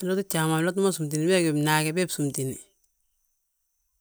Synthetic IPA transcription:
lɔ˦tu˦t͡ʃa˨ma˨lɔ˦t̬u˦ma˦su˨mt̬i˨ni˨bɛ˦ɡɛ˨bnaː˨kɛ˨bɛ˦bsu˨mti˨ni˨

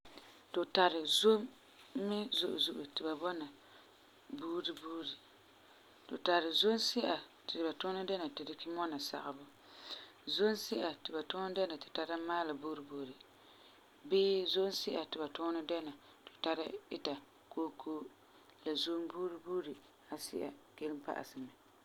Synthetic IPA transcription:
tʊ˨ta˨ɾɪ˨zo˦mː | ɪ˦zʊ˦˨ʔʊ˨zʊ˨ʔʊ˨tɪ˨ba˨bɔ˦na˨ | buː˦ɾi˦buː˦ɾi˨ | tʊ̰˨ta˨ɾɪ˨zo˦nsɪ˦ʔa˨tɪ˨ba˨tʊ˦nɨ˦dɛ˦na˨tɪ˨dɪ˦kɪ˦mɔ˦na˨sa̰˨ʔa˨bʊ˦ | zo˦nsɪ˦ʔa˨tɪ˨ba˨tʊː˦n˦dɛ˦na˨tɪ˨ta˦ɾa˦maː˦la˨buː˦ɾɨ˨bo˨ɾi˨ | bɪː˦zo˦nsɪ˦ʔa˨tɪ˨ba˨tʊ˦nʊ˦dɛ˦na˨ | tʊ̥˨ta˦ɾɪ̰˦ɪ̰˦ta˨ | koː˦kʰoː˦ | la˨zo˦nbuː˦ɾi˦buː˦ɾi˨ | a˨sɪ̰˦ʔa̰˨ɡe˦lmpa̰˨ʔsɨ˨mɪ˨

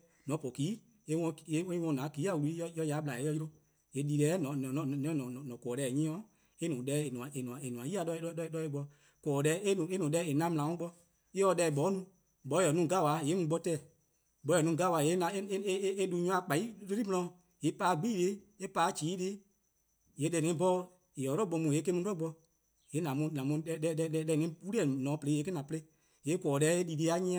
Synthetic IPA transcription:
nɔ̃˨˦po˨kiː˨˦ | e˧wɔ̃˧˨e˨˦wwɔ̃˧nã˨˦kiː˨˦a˨wu˧lu˧˦i˦jɔ˧jɔ˧ja˨˦ɓla˨e˨˦jɔ˧ji˧ɾo˧ | e˨li˨˧lɛː˨˦nɔ̃˨ñ˨nɔ̃˨n˨ɔ̃˦nɔ̃˨nɔ̃˨nɔ̃˨kɔː˨ɾɛː˧˨ɲĩ˦ɔ̃˦ | e˦nũː˨dɛː˨˦e˨nũ˨ã˨ʔe˨nũ˨ã˨e˨nũ˨ã˨ji˦a˧dɔ˧˦ɔ˧˦˧dɔ˧e˧ɡ͡bɔ˧ | kɔː˨˦dɛ˧˦e˦nũ˨e˦nũ˨˦dɛː˧˦e˨nã˧˦m̃˨ã˨ɔ̃˦ɡ͡bɔ˧ | e˦ɔ˧dɛ˧˦˨ɓɔː˨˦nũ˧ | ɓɔ˨˦jɔ˨nũ˦˨ɡa˦˨wa˨˦je˨˦ũ˧˦ɡ͡bɔ˧˦tɛː˦˨ | bɔ˨˦jɔ˨nũ˨˧˨ɡa˦˨wa˨je˨˦nã˨˦e˦e˦du˧˦ɲũ˧˦ã˧˦k͡pa˨i˦le˦ɾi˦mɔ̃˧ɔ̃˧ | je˨˦paː˨˧˦ɡ͡biː˦˨le˧˦ | e˦paː˨˦d͡ʒiː˨˦le˦ | je˨˦dɛ˧˨ŋɛ̃˧˦bɔ˧˦ | e˨ɔ˨ɾɔ˦˨ɓɔ˧˦mũ˨e˨˦ke˧˦mũ˧˦ɔ˦˨ɡ͡bɔ˧ | je˨˦nã˨mũ˧nã˨mũ˧ɛ˧˦ɛ˧˦ɛ˧˦ɛ˧˦ɛ˧˨ŋɛ̃˧˦wu˦ɾi˦ɛ˨nɔ̃ː˨˦pə˧ɾe˨˦˨e˨˦ke˦nã˨pə˧le˧˦ | je˨˦kɔː˨dɛ˧˦e˦li˨de˧˦a˦ɲĩ˦ã˧

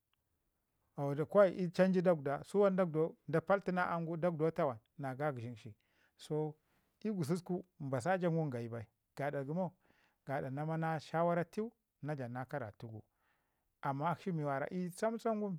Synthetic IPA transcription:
a˨da˨kʷa˦i˨ʔi˦t͡ʃa˦nd͡ʒi˦da˦ɡda˨su˦wa˦nda˦ɡdo˦da˨pa˦lti˦na˦ʔa˦ŋɡu˦da˦ɡ̚do˦ta˦wa˨nːa˨ɡa˦ɡi˨ʃi˦nʃi˨ | so˦ | i˦ɡu˨s̬i˦sku˦m˨ba˨s̬a˦d͡ʒa˦ŋɡu˦ŋɡa˨i˨ba˨i˨ | ɡ̥a˨da˨ɡu˨˦mo˦˨ | ɡ̥a˨da˨na˦ma˦na˦ʃa˦wa˦ɾa˦ti˦u˦ | na˦d͡ʒa˨na˦ka˦ɾa̰˨tu˦ɡṵ˨ | a˨mːa˦ʃi˦mi˨wa˨ɾa̰˨ʔi˦sa˦m˦sa˦ŋ˦ɡu˦m

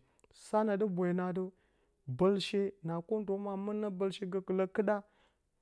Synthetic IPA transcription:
sa˦na˨də˦bʷa˨na˨də˦ | bə˨lʃe˦na˨ko˦n˦to˨˦ma˨mə˦na˦bə˨lʃe˦ɡə˦kə˨lə˦kə˦ɗa˦

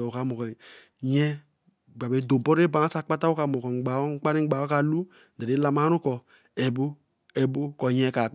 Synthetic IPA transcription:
o˨ka˨˦mɔ˨kɔ˨ | ɲɛ˦ | ɡ͡ba˨be˦do˨bɔ˦ɾe˦ba˨˦a˦sa˦k͡pa˦ta˦wo˦ka˨mɔ˨kɔ˨ŋ͡mɡ͡ba˨ɔ˦ŋ̩˦k͡pa˦ni˦ɡ͡ba˨˦ɔ˦ka˨lu˦ | dɛ˨ɾe˦la˨ma˦nu˦kɔ˨ | ɛ˨bo˦ | ɛ˨bo˦kɔ˨ɲɛ˦ka˨

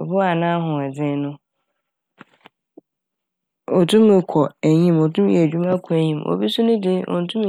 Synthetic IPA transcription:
bʊ˦a˨nã˦ɦʊ̃˨ɛ˨d͡zɪ̃˦nʊ̃˦ | o˨tʰũ˦mɪ̃˨kʰɔ˨æ˨ɲĩ˦mo˨tʰũ˦m˦ɛ˨d͡ʑᶣu˦mã˦kʰɔ˨æ˨ɲĩ˨mʔo̰˨bi˦sʊ˦nʊ̃˦dɪ˦ʔɔ̰˨n̩˨˦tʰũ˦m

